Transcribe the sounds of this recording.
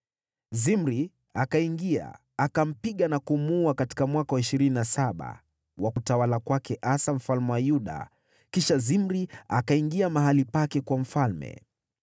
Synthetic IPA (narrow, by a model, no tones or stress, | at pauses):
zimɾi | akaiŋɡia̰ | akam̩piɠanakumuakati̥kamwakawaiʃiɾininasaɓa̰ | wakutawalakwakɛʔasam̩falmɛwajuɗa̰ | kiʃazimɾiakaiŋɡiamaɦalipakɛkwam̩falmɛ̰